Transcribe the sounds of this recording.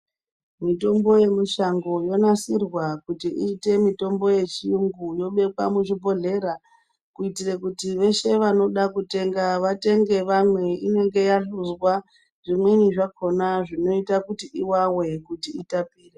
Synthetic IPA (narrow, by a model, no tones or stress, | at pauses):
mito̞mbo̞je̞muʃaŋɡo̞jo̞nasirwakutiʔiːte̞mito̞mbo̞je̞t͡ʃiuŋɡujo̞ɓe̞kwa̰muʐipo̞ɮe̞ɾa | kuitirekutiʋe̞ʃe̞ʋano̞ɗakute̞ŋɡaʋate̞ŋɡe̞ʋamwe̞ine̞ŋɡe̞jaɬuzwa | ʐimweniʐakʰo̞naʐino̞itakutiʔiwawe̞kutiitapiːre